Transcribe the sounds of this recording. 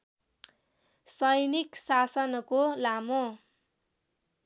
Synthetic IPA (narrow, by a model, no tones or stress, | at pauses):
sʌjniksasʌnʌkolamo